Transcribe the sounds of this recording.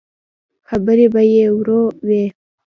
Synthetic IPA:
xabəɾebajewɾowe

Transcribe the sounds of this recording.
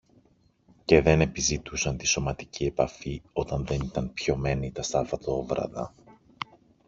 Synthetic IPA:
ce̞ðe̞ne̞pizit̪usɐnt̪iso̞mɐt̪icie̞pɐfio̞t̪ɐnðe̞nit̪ɐnpço̞me̞nit̪ɐst̪ɐfɐt̪oovɾɐ̰ðɐ̰

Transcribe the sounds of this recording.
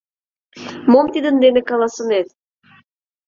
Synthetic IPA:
momt̪id̪ə̆nd̪enɘ̆kɑlˠɑsɤnet

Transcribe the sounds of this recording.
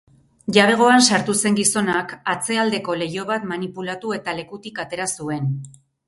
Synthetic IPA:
ʝaβ̞e̞ɣ̞o̞ansaɾt̪use̞ŋɡiso̞nakat͡se̞ald̪e̞ko̞le̞jo̞β̞at̪manipulat̪ue̞t̪ale̞kut̪ikat̪e̞ɾasue̞n

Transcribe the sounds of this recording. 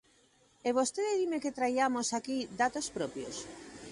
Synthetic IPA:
eβost̪eðeðimeket̪ɾajamosakid̪at̪ospɾopjo̰s

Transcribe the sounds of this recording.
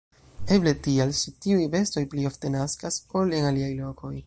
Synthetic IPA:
e̞ble̞tialʃitiujve̞sto̞jplio̞fte̞naskaso̞lenaliajlo̞ko̞j

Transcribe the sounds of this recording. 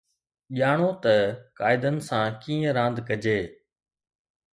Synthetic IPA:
ʄaːɽ̃oːt̪ɐkaːɪd̪ənɪ̆sãːkiːə̃ɾãːnd̪ʱkəd͡ʑeː

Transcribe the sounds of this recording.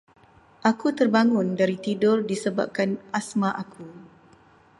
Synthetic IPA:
ʔakut̪ərbaŋʊndaɾit̪idʊrdisəba̰p̚kanasmãʔakʰu

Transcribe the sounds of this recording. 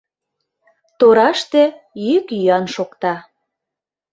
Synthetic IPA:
t̪oɾɑʃt̪ĕjykjyɑnʃokt̪ɑ

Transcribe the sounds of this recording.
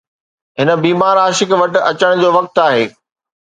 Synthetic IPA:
ɦɪnə̆biːmaːɾaːʃɪkʋɐʈɪ̆ɐt͡ɕəɽ̃d͡ʑoːʋɐk̚t̪aːɦeː

